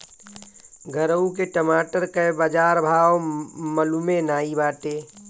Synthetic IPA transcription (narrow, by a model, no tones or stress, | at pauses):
ɡʱəɾəuk̬eʈəmaːʈəɾkəbəd͡ʒaːɾbʱaːwməlumenaːibaːʈeː